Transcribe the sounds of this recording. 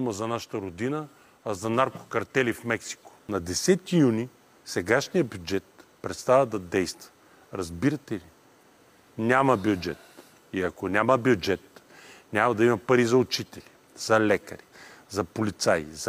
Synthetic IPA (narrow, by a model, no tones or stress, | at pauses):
uməzɐnaʃə̥t̪əɾod̪inəː | zɐnaɾko̥kɐɾt̪ɛlifmɛksi̥ko̥nɐd̪ɛsɛt̪ijuni | sɛɡaʃnijəbjʊd͡ʒɛt̪pɾɛt̪st̪avɐd̪ɐd̪ɛjst̪və̥ | ɾɐzbiɾɐt̪ɛli | nʲamɐbʲjʊd͡ʒɛ̰t̪ | iɐkonʲamɐbjʊd͡ʒɛt̪ | nʲamɐd̪ɐimɐpɐɾizɐʊt͡ʃit̪ɛli | z̥ɐlɛkɐ̰ɾizɐpolit̪sajz